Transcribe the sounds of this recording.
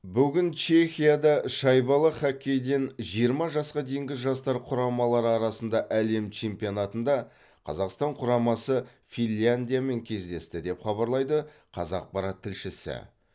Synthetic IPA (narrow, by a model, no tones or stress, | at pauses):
bʏɡʲɪnt͡ʃʰe̞xʲijad̪ɑʃɑjbɑlˠəχækʲʰːe̞jd̪e̞nʒijəɾmɑʒɑsqɑd̪e̞jɪŋɡʲɪʒɑst̪ɑɾqʰʊɾɑmɑlˠɑɾəɑɾɑsənd̪ɑʔæle̞mt͡ʃʰe̞mpijo̞nɑt̪ənd̪ɑ | qʰɑ̰zɑqst̪ɑɴqʰʊɾɑmɑsə | finʲanʲd̪ijame̞ŋkʲʰe̞zd̪e̞st̪ɪd̪e̞pχɑβɑɾlˠɑjd̪əqʰɑ̰zɑq̚pɑɾɑt̪ʰːɪlʃɪsɪ̰